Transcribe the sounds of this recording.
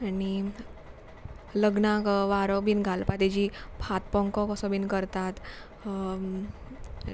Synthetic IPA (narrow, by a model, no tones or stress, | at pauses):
ani | ləɡnakʋaɾɔbiːnɡʱalpat̪ed͡ʑipʰat̪̚pɔ̃ŋkɔkɔsɔbinkəɾt̪at̪